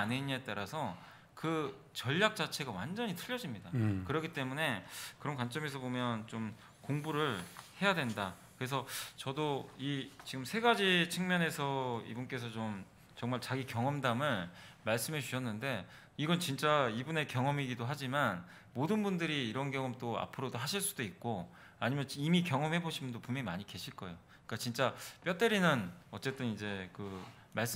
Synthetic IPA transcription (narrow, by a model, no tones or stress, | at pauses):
aneɲːaet͈aɾasʰʌ | kɯ | t͡ɕʌʎːak̚t͡ɕ͈at͡ɕʰe̞ɡawand͡ʑʌɲitʰɯʎːʌd͡ʑimɲidakɯɾʌkit͈e̞mune̞kɯɾʌnkwant͡ɕ͈ʌme̞s̬ʰʌbomjʌnt͡ɕom | koŋbuɾɯɭhe̞jadwe̞nda | kɯɾe̞sʰʌt͡ɕʌdoit͡ɕiɡɯmsʰe̞ɡad͡ʑit͡ɕʰɯŋmjʌne̞sʰʌḭbunk͈e̞sʰʌt͡ɕom | t͡ɕʌŋmaɭt͡ɕaɡikjʌŋʌmdamɯɭmaɭs͈ɯme̞t͡ɕuɕʰʌnːɯnde̞ | iɡʌnt͡ɕint͡ɕ͈aibune̞kjʌŋʌmiɡidoɦad͡ʑiman | modɯnbundɯɾiːɾʌnɡjʌŋʌmt͈oa̰pʰɯɾodoɦaɕʰiɭs͈ud̥oik̚k͈o | aɲimjʌnimikjʌŋʌmɦhe̞boɕʰimʌndopumjʌŋimaɲike̞ɕʰiɭk͈ʌeo | ik͈at͡ɕint͡ɕ͈ap͈jʌt͈eɾinɯnʌt͡ɕ͈e̞t͈ɯnid͡ʑe̞kɯ | maɭs͈